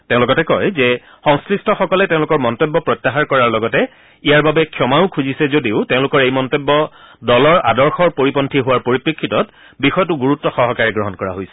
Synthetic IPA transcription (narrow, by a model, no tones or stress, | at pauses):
tẽʊ̃lʊkɡɔtɛkɔjzɛ | xɔŋskɹistʰɔxɔkɔlɛtẽʊ̃lʊkɔɹmɔntobːɔpɹɔtːaxaɹkɔɹaɹlɔɡɔtɛ | ijaɹbabɛkʰjɔmaʊkʰuzisɛzodiʊtẽʊ̃lʊkɔɹejmɔntobːɔ | dɔlɔɹa̰dɔɹxɔɹpoɹipɔntʰiɦʊwaɹpoɹipɹekʰːitɔt | bixɔjɔtʊɡuɹutːɔxɔɦɔkaɹɛɡɹɔɦɔnkɔɹa̰ɦojsɛ̥